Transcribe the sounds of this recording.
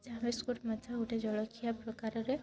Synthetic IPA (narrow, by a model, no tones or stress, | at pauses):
d͡ʒameskuʈmat̪ʰauʈed͡ʒɔɭɔkʰijapɾɔkaɾɔɾe